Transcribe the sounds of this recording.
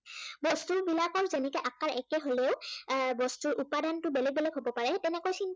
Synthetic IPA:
bɔstuɹbilakɔɹzɛnɛkɛʔakaɹʔɛkɛɦolɛʊbɔstuɹʔupadantʊbɛlɛɡ̚bɛlɛɡɦobɔpaɹɛtɛnɛkojsin

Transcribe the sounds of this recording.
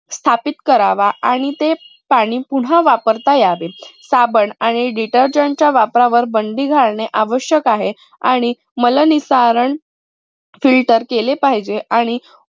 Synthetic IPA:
st̪ʰapit̪kəɾaʋaʔaɽ̃it̪e | paɽ̃iːpuɽ̤aʋapəɾt̪ajaʋesabəɳaɽ̃iɖiʈəɾd͡ʑant͡ɕjaʋapɾaʋəɾbəɳɖiːɡʱaɭɳeʔaʋəɕjəkaɦe | aɽ̃i | mələnisaɾəɳ | filʈəɾkelepaɦid͡ʑeʔaɽ̃i

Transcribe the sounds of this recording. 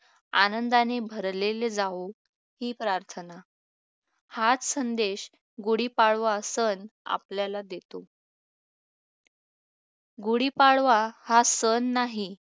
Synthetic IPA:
anənd̪anebʱəɾleled͡zao | hiːpɾaɾt̪ʰəna | hat͡ssənd̪eɕ | ɡuɽiːpaɽʋasəna̰pljalad̪et̪o | ɡuɽiːpaɽʋahasənːaɦi

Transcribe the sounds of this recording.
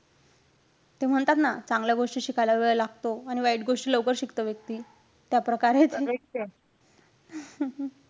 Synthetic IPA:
t̪em̤əɳt̪at̪nat͡sãŋɡljaɡoʂʈiːɕikʰajlaʋeɭəlaɡt̪oaɽ̃iʋaiʈɡoʂʈiːləwkəɾɕikt̪əʋjək̚t̪iː | t̪japɾəkaɾet̪ee

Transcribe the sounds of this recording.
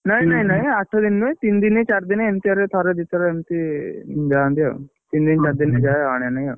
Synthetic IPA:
naɦinaɦinaɦiaʈʰːad̪inːet̪ind̪inet͡ɕaɾd̪ineemt̪iəɾet̪ʰaɾed̪it̪ɾaemt̪id͡ʒand̪ia̰ | t̪iːnd̪int͡ɕaɾd̪ined͡ʑajaɽjanaja

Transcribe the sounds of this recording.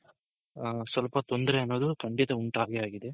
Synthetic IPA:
sʋɐlpɐt̪ɔnd̪ɪɾɛɐnːʋɐðɯkɐɳɖɪt̪ɐʊɳʈaːɣeaːɣɪðɯ

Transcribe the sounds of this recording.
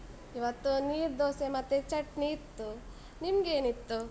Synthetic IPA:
iʋɐt̪ːuniːɾd̪oːsemɐt̪ːet͡ʃɐʈniːɾt̪ːu | nimɡe̞ːnit̪ːu

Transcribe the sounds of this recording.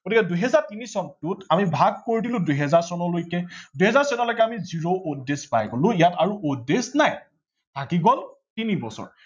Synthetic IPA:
ɡ̥otikɛduɦɛzaɹtinisɔntʊtamibʱaɡ̚koɹidilʊ̃dujɦɛzaɹsɔnɔlojkɛduɦɛzaɹsɔnɔlojkɛamiziɹoʔudespa̰jkɔlʊ̃ijataɹuʔudesnaj | tʰakiɡɔl | tinibɔ̰sɔ̰ɹ

